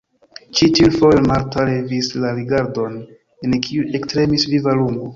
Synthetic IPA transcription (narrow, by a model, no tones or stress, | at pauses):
t͡ʃitilfojmaltalevislaɾiɡaɾdo̞n | enkʰiuʔe̞ktɾe̞misvivaluno